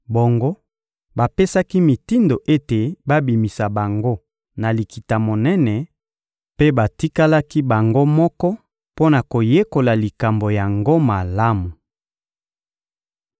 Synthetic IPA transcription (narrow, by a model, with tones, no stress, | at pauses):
bo˨ŋɡo˦ | ba˨pe˦sa˦ki˦mi˨ti˦ndo˨ʔe˦te˨ba˦bi˨mi˨sa˨ba˨ŋɡo˦ | na˨li˨ki˨ta˨mo˨nɛ˦nɛ˨ | pe˦ba˨ti˦ka˦la˦ki˦ba˨ŋɡo˦mɔ˦kɔ˦ | po˦na˨ko˨je˦ko˨la˨li˨ka˨mbo˨ja˨ŋɡo˦ma˨la˦mu˨